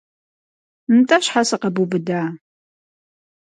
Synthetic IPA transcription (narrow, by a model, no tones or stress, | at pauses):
mtʼɐɕħasɨqɐbubɨdaː